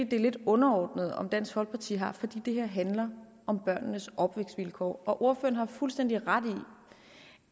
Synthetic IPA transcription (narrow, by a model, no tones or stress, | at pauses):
ḭːd̥e̝ɐle̝d̥ɔ̽nɐɒ̰ːd̥nəð̞̩ˠɒ̽md̥æn̰shɒ̽l̰̚pʰɑ̈t͡sʰḭːɦɑ̈fɒ̽d̥ḭːd̥e̝ɦeɐ̰ɦænlɐ | ʔɒ̽mb̥ɶɐ̰nnəsʔɒ̽b̥ʋeɡ̥sd̥ʋilkʰɒ̰ːɒ̽ʔo̝ɐfø̰ɐn̩hɑ̈fulsd̥en̰d̥iʁad̥i